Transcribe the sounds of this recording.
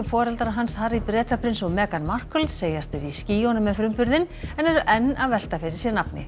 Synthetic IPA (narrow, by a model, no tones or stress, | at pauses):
ʏmfɔːɾɛlt̪aɾaɦanshaɾipɾɛːt̪apʰɾɪnsɔwmɛːkanmar̥kœlt̪seːjast̪ɪɾisciːjonʏmɛðfɾʏmpʏɾðɪn | ɛnɛɾʏʔɛnːaðvɛl̥t̪afɪːɾɪ̥ɾ̥sjɛɾnapnɪ̰